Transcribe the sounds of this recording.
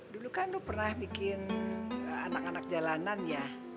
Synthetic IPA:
dulukandupərnahbikɪn | anakanak̚d͡ʒalananja

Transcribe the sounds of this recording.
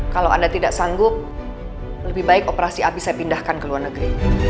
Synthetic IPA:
kalawa̰ndat̪idaʔsaŋɡʊk̚ | ləbɪhbaɪkopəɾasiapisajapindahkankəluarnəɡɾi

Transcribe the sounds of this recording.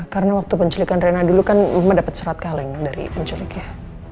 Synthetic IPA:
kaɾənawak̚t̪upəɲt͡ʃəlikanrenadulukanamadapət̪səɾat̪̚kalɪŋdaɾḭpəɲt͡ʃəlɪkja

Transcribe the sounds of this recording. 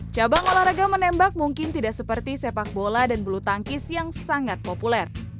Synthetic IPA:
t͡ʃabaŋolahɾaɡamənɛmbak̚muŋkɪnt̪idaʔsəpərt̪isepak̚boladanbəlut̪aŋkɪsjaŋsaŋat̪̚populɛr

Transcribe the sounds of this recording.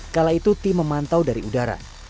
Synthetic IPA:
kalait̪ut̪iməmant̪awdaɾiudaɾa̰

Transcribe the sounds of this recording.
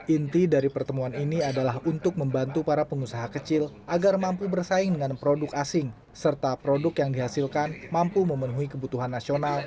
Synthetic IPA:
ʔint̪idaɾipərt̪əmuaniniadalahunt̪ʊk̚məmbant̪upaɾapəŋusaɦakət͡ʃɪlʔaɡarmampubərsaɪŋdəŋanpɾodʊkasɪŋ | sərt̪apɾodʊkjaŋdiɦasɪlkanmampuməmənuɦikəbut̪uɦanːasional

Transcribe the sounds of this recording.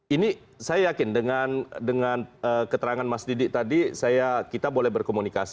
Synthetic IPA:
ini | sajajakɪndəŋandəŋanəkət̪əɾaŋanmasdidɪt̪adisajakit̪abolɛhbərkomunikasi̥

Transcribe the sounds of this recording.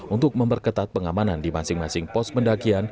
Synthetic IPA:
ʔunt̪ʊk̚məmpərkət̪at̪̚pəŋamanandimasɪŋmasɪŋpɔspəndakian

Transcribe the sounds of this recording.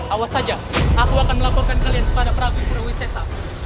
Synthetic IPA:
ʔawasad͡ʒa | akuakanməlapɔrkankaliankəpadapəɾaɡusərəwisɛsa

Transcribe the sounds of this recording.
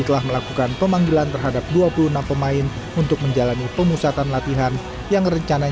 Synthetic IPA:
t̪əlahməlakukanpəmaŋɡilant̪ərɦadap̚duapulunampəmaɪn | unt̪ʊk̚məɲd͡ʒalanipəmusat̪anlat̪iɦan | jaŋrəɲt͡ʃana

